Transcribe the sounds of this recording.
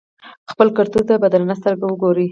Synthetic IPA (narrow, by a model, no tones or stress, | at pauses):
xpəlkaɾt̪uzd̪əbad̪alanas̬t̪əɾɡawəɡoɾi